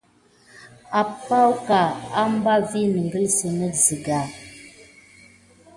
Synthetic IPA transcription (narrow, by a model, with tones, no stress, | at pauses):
a˨pa˦wka˨a˦m˦ba˦vi˦ni˨ŋ˨ɡə˦lsə˨nə˦zi˨ɡa˨